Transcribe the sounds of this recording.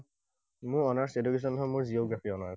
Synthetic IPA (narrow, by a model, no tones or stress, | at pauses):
mʊɹɔnaɹsedukes̬ɔnɔmuɹzijoɡɹapʰiɔna